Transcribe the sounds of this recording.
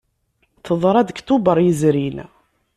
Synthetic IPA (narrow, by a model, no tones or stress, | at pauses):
θəðˤɾˤæd̪əkt̪ubəɾˤjəzɾin